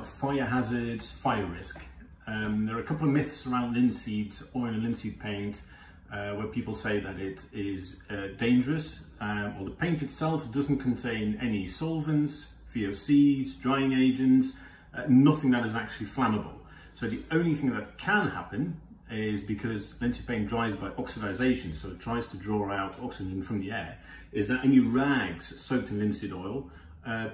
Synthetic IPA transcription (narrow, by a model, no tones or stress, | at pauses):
tfaɪəɦazə˞dz̥faɪəɹɪsk | ʌðə˞əəkʰʌpl̩ˠəvmɪθsəɹãʊ̃ndlɪ̃nsidəɹɨ̃nəlɪ̃nsid̚pʰẽɪ̃nt | wəpʰipəl̩ˠseɪðɨɾɪɾɪzdẽɪ̃nd͡ʒəɹɨswɛlˠðəpʰẽɪ̃ntɨtsɛlˠf̚d̥ʌzn̩kʰn̩tʰẽɪ̃nɛnisɔlˠvə̃nts | fioʊsizdɹaɪɪ̃ŋeɪd͡ʒɨ̃ns | nʌθɪ̃ŋðəɾɨzak̚t͡ʃʉl̩ˠiflanəbə̰lˠ | soʊðiõʊ̃nliθɪ̃ŋðət̚kʰə̃nha̰pɨ̃n | ɪzbɨkʰʌzlɪ̃nsɨd̚pʰẽɪ̃ndɹaɪzbaɪʔɒksɨdaɪzeɪʃɨ̃n̩soʊɨtʰɹ̥aɪz̥tʰədɹɔɹaʊɾʰɑksɨd͡ʒɨ̃nfɹʌ̃mðiɛɹ | ɪzðəɾɛniɹæɡz̥soʊk̚tʰɨ̃nlɪ̃nsɨɾɔɪlˠ | ʌ